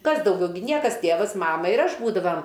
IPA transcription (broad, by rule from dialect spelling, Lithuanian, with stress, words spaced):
ˈkɐs dɐʊˈɡʲɛʊ ɡʲɪ ˈnʲiɛkɐs ˈtʲeːʋɐs ˈmɑːmɐ ɪr ˈɐʃ ˈbuːdɐʋɐm